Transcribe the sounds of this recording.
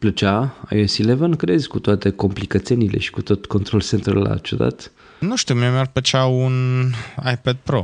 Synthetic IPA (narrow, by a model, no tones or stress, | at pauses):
plət͡ʃaa̰jesilevənkɾezkut̪oat̪eko̞mplikət̪senile̞̰ʃi̥kut̪o̞t̪ko̞nt̪ɾo̞lsent̪ɾulːa̰t͡ʃud̪a̰t̪ | nuʃt̪iwmiemer̚pət͡ʃawunajped̪̚pɾo